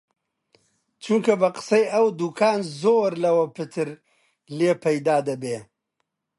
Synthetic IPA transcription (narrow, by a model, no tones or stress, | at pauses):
t͡ʃuŋkabɐqɨ̥sɐjɐwd̪ukʰaːnzoɾlɐwɐpɨt̪ʰɨɾ | leːpɐjd̪aːd̪ɐbeː